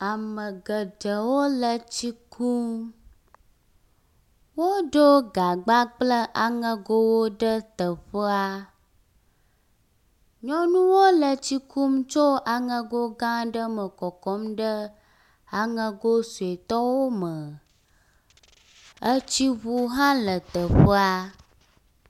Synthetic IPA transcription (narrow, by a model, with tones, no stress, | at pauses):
a˨mə̃˨ɡə˨ɖə˨wo˦lə˨t͡ɕi˦kʰu˦m | wo˦ɖo˦ɡa˨ɡ͡ba˦k͡plə˦ʔa˨ŋə̃˦ɡo˦wo˦ɖə˦t̪ə˨ɸə˦a˦ | ɲɔ̃˦nũ˦wo˦lə˨t͡ɕi˦kʰu˦mt͡ʃo˦a˨ŋə̃˦ɡo˦ɡã˦ɖə˦mə˨kɔ˨kɔ˦mɖə˦ | a˨ŋə̃˦ɡo˦su˨e˨t̪ɔ˦wo˦mə˨ | ə˦t͡ɕi˦βu˦ɦã˦lə˨t̪ə˨ɸə˦a˦